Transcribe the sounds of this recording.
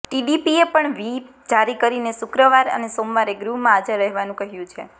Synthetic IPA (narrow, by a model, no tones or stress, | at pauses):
ʈiɖipiepəɳʋi | d͡ʒaɾikəɾinesʊkɾəʋaɾə̰nesomʋaɾeɡɾuɦmãːd͡ʒaɾəɦʋanũkəɦjũt͡ʃʰḛ